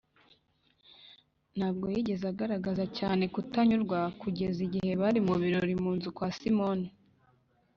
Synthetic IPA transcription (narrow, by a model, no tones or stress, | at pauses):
n̥haːb̚ɡo̞jiɟe̞zaɡaɾaɡazacaːne̞kutaɲuɾɡwakuɟe̞ziɟihe̞βaɾimuβiɾoɾimuːnzukwaːsimoni